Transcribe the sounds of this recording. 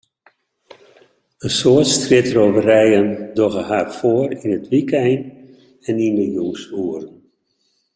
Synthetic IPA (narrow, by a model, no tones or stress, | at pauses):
ənsoərtstrɪtrovərɛjəndoɣəɦarfoərinətʋikɛjn | ɛnindəjɔŋsuərn